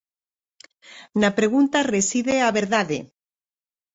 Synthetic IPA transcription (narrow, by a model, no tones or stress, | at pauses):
napɾe̞ɣ̞unt̪aresiðeaβeɾðaðḛ